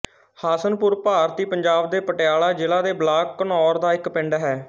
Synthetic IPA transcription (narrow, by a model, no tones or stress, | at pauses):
haːsənpʊɾpaːɾt̪iːpəɲd͡ʒaːb̚d̪eːpəʈɪjaːlaːd͡ʒɪlaːd̪eːblaːkːənɔːɾd̪aːɪkpɪ̃ɳɖɦɛː